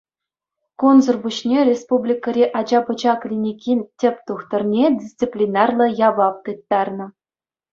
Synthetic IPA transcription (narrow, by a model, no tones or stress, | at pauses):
konzɤ̆rbuɕnʲerʲespublʲikɤɾʲeʔɑd͡ʑɑpɤ̆t͡ɕɑklʲinʲikʲinʲtʲɘ̆pʲt̪uxt̪ɤ̆rnʲedʲist͡sipʲlʲinɑrlˠɤ̆jɑβɑp̚t̪ɯt̪ːɑrnɤ̆